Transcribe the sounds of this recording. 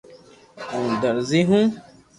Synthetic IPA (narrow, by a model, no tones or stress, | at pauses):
ũd̪ɐɾziɦũ